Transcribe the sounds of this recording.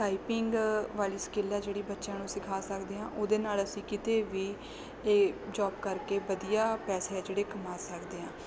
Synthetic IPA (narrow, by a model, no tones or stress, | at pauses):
ʈaːipɪŋɡʋaːliːsə̥kɪlːaːd͡ʒeːɽiːbətːʃãːnũːsɪkʰaːsəkd̪eːɦãːʔoːd̪eːnaːləsĩːkɪt̪eːʋiː | eːd͡ʒɔːbkəɾkeːʋəd̪ijaːpɛːseːaːd͡ʒeːɽeːkəmaːsəkd̪eːãː